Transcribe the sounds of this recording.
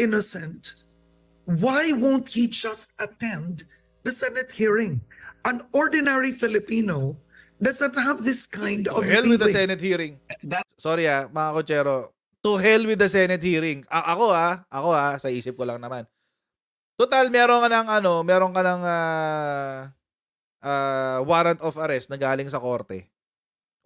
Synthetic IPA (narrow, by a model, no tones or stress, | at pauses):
ɪnosɛ̃nt̪ | wajwõwnt̪hid͡ʒʌst̪ɐt̪ɛ̃nd̪ | d̪ɐsɛnɛt̪̚hiɹɪ̃ŋʔɐ̃nɔɹd̪ɪnɛɹifɪlɪpĩno | d̪ʌzə̃nt̪havðɪskãj̃nd̪ɔhɛlwɪd̪ɐsɛnɛt̪̚hiːɾɪŋsoɾɪhamɐakot͡ʃɛːɾo̞ | t̪ʊɦɛlwɪd̪ɐsɛnɛt̪̚hiːɾɪŋʔɐʔɐko̞haʔɐko̞hasɐʔiːsɪp̚kolɐŋnɐman | t̪ot̪almɛːɾoŋkɐnɐŋɐno̞mɛːɾoŋkɐnɐŋaː | ʔaːwaːɾɐnt̪ofɐɾɛst̪nɐɡaːlɪŋsɐko̞ɾt̪ɛ̰